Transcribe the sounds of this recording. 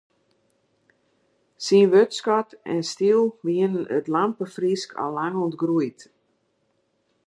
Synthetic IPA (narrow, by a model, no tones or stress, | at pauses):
sinʋøtskɔtɛ̰nstilˠʋiənənə̰tlampəfriskʰa̰lˠːaŋuntɡrujt